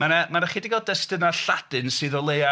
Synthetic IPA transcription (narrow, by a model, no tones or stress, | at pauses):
manamanaχidɪɡɔdɛstɨnaɬadɨnsɨːðɔlˠeja